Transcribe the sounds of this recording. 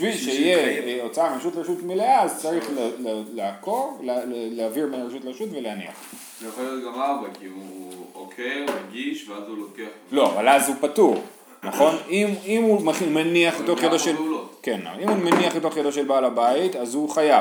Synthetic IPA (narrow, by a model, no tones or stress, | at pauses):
viʃeijeot͡saamʃutleʃutmileazt͡saʁiχleleleakoʁlleleaviʁmeʁʃutleʃutvelehanḭa̰χ | zejuχoljot̪̚ɡamabakiuokʰeumaɡiʃveazulokeaχlo̞a̰valazupatuʁ | naχo̞nimimumaχmeniaχbet̪oχjedoʃelkenːa̰imhumeniaχbet̪oχjedoʃelbaːlabaitazhuχaja